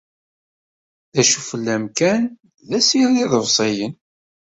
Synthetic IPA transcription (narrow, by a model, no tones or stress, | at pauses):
ðæʃufəlːæmkæn | ðæsiɾliðəvsˤejən